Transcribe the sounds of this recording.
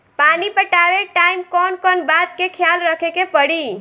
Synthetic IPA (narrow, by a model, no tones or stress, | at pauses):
panipəʈabeʈaimkɔnkɔnbad̪kekʰjalɾəkʰekepəɽi